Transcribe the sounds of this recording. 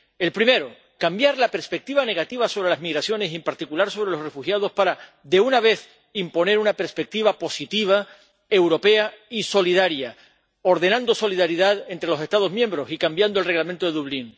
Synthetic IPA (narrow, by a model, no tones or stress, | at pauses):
e̞lpɾime̞ɾo | kambjaɾlape̞ɾspe̞k̚t̪iβane̞ɣ̞at̪iβaso̞βɾe̞lazmiɣɾasjo̞nesimpaɾt̪ikulaɾso̞β̞ɾe̞lo̞sre̞fuxjað̞o̞spaɾa | ðe̞unaβe̞θ | impo̞ne̞ɾunape̞ɾspe̞k̚t̪iβapo̞sit̪iβ̞a | e̞wɾo̞pe̞aiso̞lið̞aɾja | o̞ɾðe̞nãnd̪oso̞liðaɾiðaðe̞nt̪ɾe̞lose̞st̪að̞o̞zmjẽmbɾo̞sikambjand̪o̞lre̞ɣlamẽnt̪oeðuβliŋ